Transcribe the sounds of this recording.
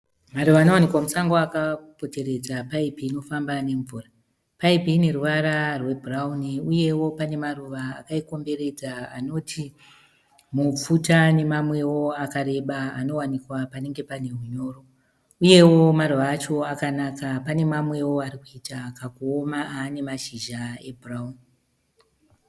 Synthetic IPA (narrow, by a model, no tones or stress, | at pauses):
maruʋaːno̞wanikwamusaŋɡoakapo̞te̞ɾe̞d͡zapaipiːno̞fambane̞ɱvuːra | paipine̞ruʋaɾarwe̞bʱurauniuje̞wo̞pane̞maruʋaːkaiko̞mbe̞ɾe̞d͡zaano̞tʰi | mup͡futane̞mamwe̞wo̞akaɾe̞ɓaano̞wanikwapane̞ŋɡe̞pane̞ɦuɲo̞ːro̞ | uje̞wo̞maruʋaːt͡ʃo̞akanakapane̞mamwe̞wo̞aɾikuitakakuomaaːne̞maʃiʒae̞bʱurauni